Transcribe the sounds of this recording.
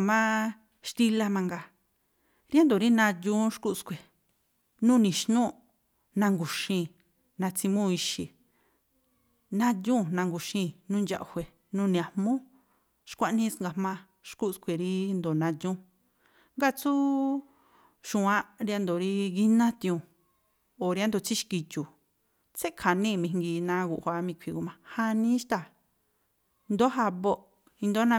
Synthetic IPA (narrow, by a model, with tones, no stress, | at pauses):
mã˦ | ʃt̪i˦la˦mã˧ŋɡa˧ | ɾja˦nd̪o˨ɾi˦nã˧dũ˦ʃku˦˨skʷe˨ | nũː˦˧nĩ˨ʃnũ˦ | nã˧ŋɡu˨ʃĩ˧ | nã˧t͡si˧mũ˦˧i˧ʃḭ˧˨ | nã˧dʲũ˦˨nã˧ŋɡu˨ʃĩ˧nũː˦˧nd͡ʒa̰˧ʔhʷe˨ | nũ˦˧nĩ˨a˨mmũ˦ | ʃkʷa˦ʔnĩ˦sŋɡa˧˨mã˧ | ʃku˦˧skʷʰe˨ɾi˧˦nd̪o˨nã˧t̪jũ˦ | ŋɡa˦˨t͡su˦ | ʃũ˨ã˦ɾa˧nd̪o˨ɾi˧ɣi˦nã˦t̪ĩ˧ũ˧˨ | o˨ɾja˦nd̪o˨t͡si˦ʃki˧t͡ʃu˨ | t͡se˦ʔkʰa˨nĩ˦˨mĩ˧˨ŋɡi˧nã˧˦ɣu˧ʔhʷa˧˦mĩ˧kʷʰi˧ɡu˧mã˧ha˦˧nĩ˦ʃt̪a˧˨˧ | nd̪o˦ɦa˧βo˦˨ʔ | ĩ˧nd̪o˦nã˧